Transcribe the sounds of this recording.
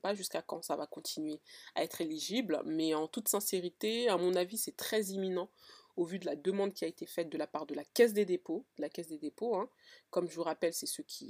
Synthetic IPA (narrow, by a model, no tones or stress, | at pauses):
paʒyskakɑ̃savakɔ̃t̪ʰinɥea̰ɛt̪χeliʒiblmɛɑ̃t̪ut̪sɛ̃seʁit̪eamɔ̃navisɛt̪χɛziminɑ̃ovyd̪əlad̪əmɑ̃d̪̚kʲiaet̪efɛt̪̚d̪əlapaʁd̪əlakʲɛs̬d̪ed̪epod̪̥əlakʲɛsd̪ed̪epoɛ̃kɔmʒəvuʁapɛlsɛsəkʲʰi